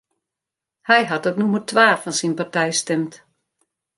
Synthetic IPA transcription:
hɛjɦatɔtnumətʋaːfɔnsinpartɛjstɛmt

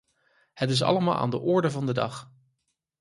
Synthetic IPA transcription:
hətɪs̬ɑ̰ləmaːlˠa̰ːndəʔʊɹdəvɑndədɑ̰χ

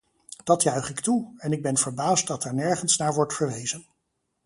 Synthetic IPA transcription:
d̥ɑtjœɥχɪktuɛnɪɡ̚bɛnvəɹbaːstdɑtɛɹnɛɹχənsnaːɹʋɔɹtfəɹʋejzən

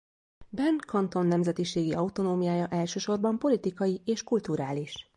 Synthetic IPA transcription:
bɛnkɒnt̪o̞nːɛmzɛt̪iʃeːɡiɒut̪o̞noːmijaːjɒʔɛlʃøːʃo̞rbɒmpo̞lit̪ikɒjieːʃkult̪uɾaːliʃ

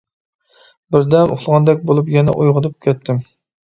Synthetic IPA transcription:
bɪɾd̪ɛmo̰χlˠʁɑnd̪ɛk̚ʲbolˠupjɛnɛ̰ʔojʁəd̪ɨp̚kʲʰɛt̪ʰːɪm

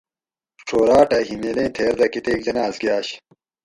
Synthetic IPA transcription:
ʈ͡ʂʰoːɾaːʈɐɦimeːlẽːt̪ʰeːɾd̪ɐkit̪eːk̚dɐnaːsɡjaːɕ

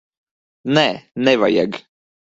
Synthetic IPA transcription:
nɛnɛva̰jɛ̰ɡ

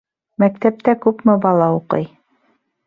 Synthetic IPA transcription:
mækt̪æp̚t̪ækʉpmɘbɑlˠɑuqɤ̰j

